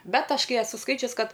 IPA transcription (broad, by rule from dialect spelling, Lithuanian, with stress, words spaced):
ˈbʲɛt ˈɐʃ ˈkɐɪ ɛˈsʊ ˈskɐɪt͡ʃʲʊs ˈkɐt